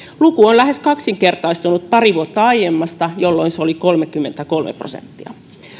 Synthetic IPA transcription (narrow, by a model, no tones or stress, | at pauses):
lukuonlæhe̞skɑksiŋkert̪ɑist̪unut̪̚pɑriʋuot̪ːɑɑijemːɑst̪ɑjolːoinseolikolmekːymːent̪ækolmʔḛpro̰sḛnt̪ːiɑ̰